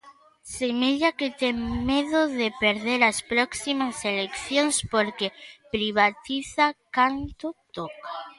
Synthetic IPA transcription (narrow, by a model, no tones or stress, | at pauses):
semeʎaket̪eŋmeðoðepeɾðeɾaspɾoksimaselekθjoŋspoɾkepɾiβ̞at̪iθakant̪ot̪oka